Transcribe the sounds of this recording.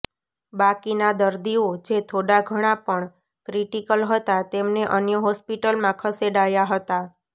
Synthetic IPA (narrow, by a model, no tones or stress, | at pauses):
bakinad̪əɾd̪iod͡ʒet̪ʰoɽaɡʱəɽ̃apəɳ | kɾiʈikəlɦət̪at̪emneʔənjəɦɔspiʈəlmãkʰəseɖajaɦət̪a